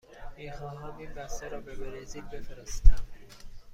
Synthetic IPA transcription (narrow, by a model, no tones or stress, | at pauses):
miːxɒːɦɒːniːmbæst̪eɾɒːbebeɾeziːk̚befeɾest̪i